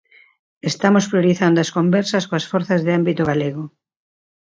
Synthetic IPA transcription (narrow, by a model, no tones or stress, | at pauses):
est̪amospɾjoɾiθand̪oɐskombɛɾsɐskoɐsfɔɾθɐzðɪambit̪ʊɣaleɣo